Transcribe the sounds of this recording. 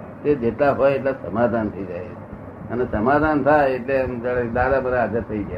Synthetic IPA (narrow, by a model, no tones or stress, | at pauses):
t̪ed͡ʒet̪laɦɔjeʈlasəmad̪ʱant̪ʰəid͡ʒaj | ənesəmad̪ʱant̪ʰaeeʈleəmt̪aɽed̪ad̪amaɾaad͡ʒət̪ʰːəid͡ʒa